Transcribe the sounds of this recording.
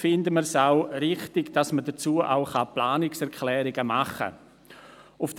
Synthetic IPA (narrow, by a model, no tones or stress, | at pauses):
fɪndəməɾsaʊrɪχtɪɡd̥ɑsmədət͡suːəʔa̰ʊχɑplaːnɪksɛɾkʰlɛːɾɪɡəmaχə̰ | ʊfd